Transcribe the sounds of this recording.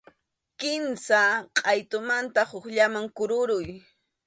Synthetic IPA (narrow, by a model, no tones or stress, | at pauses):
kɪmsaqʼɑjt̪ʊmant̪ahʊχʎamaŋkʊɾʊɾʊj